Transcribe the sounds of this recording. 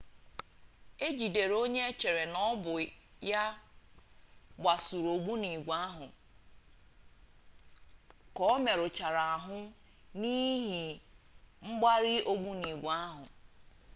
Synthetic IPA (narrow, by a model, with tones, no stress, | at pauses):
e˦d͡ʒi˨de˨ɾo˦ɲe˦t͡ʃe˨ɾe˨nɔ˦bʊ˨ | ja˦ | ɡ͡ba˨su˨ɾo˨ɡ͡bu˦ni˨ɡʷa˦ɦʊ˨ | kɔ˦me˨ɾʊ˨t͡ʃa˨ɾa˨a˨ɦʊ˦ | ni˦ɦi˨ | ŋ͡m̩˦ɡ͡ba˦ɾɪ˦ʔo˦ɡ͡bu˦ni˨ɡʷa˦ɦʊ˨